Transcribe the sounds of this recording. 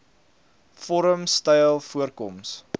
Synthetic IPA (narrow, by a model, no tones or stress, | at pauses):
fɔɾəmstɛjlˠfuərkɔms